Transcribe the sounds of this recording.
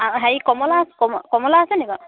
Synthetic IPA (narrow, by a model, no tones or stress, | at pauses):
aɦaikɔmɔlaskɔmkɔmɔlaːsɛniɡɔ